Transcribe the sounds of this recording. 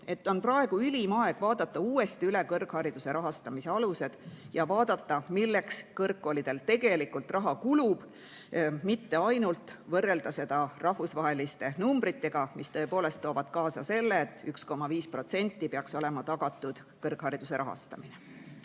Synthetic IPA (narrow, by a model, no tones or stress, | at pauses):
e̞t̪ːo̞nprɑe̞ɡ̥uylʲimɑe̞ɡ̥vɑːd̪ɑt̪ːɑuːe̞st̪iyle̞kɤrɡ̥hɑɾid̪̥use̞ɾʔɑɦɑst̪ɑmise̞ɑluse̞d̪̥jɑvɑːd̪̥ɑt̪ːɑmilːe̞kskɤrkːolid̪̥e̞lt̪e̞ɡe̞likːult̪rɑɦɑkulub̥ | mit̪ːe̞ɑjnult̪vɤrːe̞ld̪̥ɑse̞d̪̥ɑrɑhfusvɑɦe̞list̪e̞numbɾit̪ːe̞ɡ̥ɑmist̪ɤ̞e̞po̞ːle̞st̪ːo̞ːvɑd̪̥kɑːsɑse̞lːeːt̪ːˑyksko̞mːɑviːspro̞t̪se̞nʲt̪ːipeɑkso̞le̞mɑt̪ɑɡ̥ɑt̪ˑːud̪̥ | kɤrɡ̥hɑɾid̪̥use̞ɾɑɦɑ̰st̪ɑmine